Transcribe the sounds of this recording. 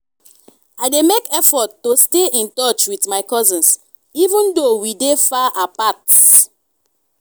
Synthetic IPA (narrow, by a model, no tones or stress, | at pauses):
aɪdemekɛfɔtːosteĩntɔt͡ʃwitmaɪkɔzĩns | ivũndowidefaʔapat